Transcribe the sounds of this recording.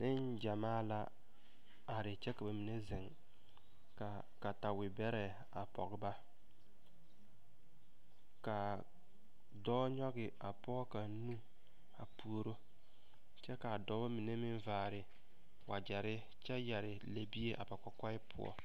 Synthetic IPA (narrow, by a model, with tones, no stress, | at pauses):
nɪ˦nd͡ʒa˨maː˦la˦ | a˨ɾɪ˨t͡ʃɛ˦ka˨ba˨mi˨ne˦zɪ˨ŋ | ka˨ | ka˨ta˨wɪ˨bɛ˦ɾɛ˨ | a˨pɔ̰˨ɡɪ˨ba˦ | ka˨ | dɔː˦ɲɔ˦ɡɪ˨a˨pɔ˦ka˨˦nũ˦ | a˨pu˦o˦ɾo˦ | t͡ʃɛ˦ka˨dɔː˨˦ba˦mi˨ne˦mɪ˦nvaː˨ɾɪ˨ | wa˨d͡ʒɛ˨ɾɪ˦ | t͡ʃɛ˦jɛ˨ɾɪ˨la˨bi˦e˦ʔa̰˨pa˨ka˨ka˦ɪ˦pʰʊ̰˦ɔ̰˦